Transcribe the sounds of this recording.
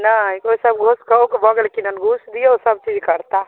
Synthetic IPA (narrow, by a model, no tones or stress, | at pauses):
najkoisəbɡʱoskəokebəɡelkinənɡʱusd̪ijesəb̚t͡ʃid͡ʒkəɾt̪a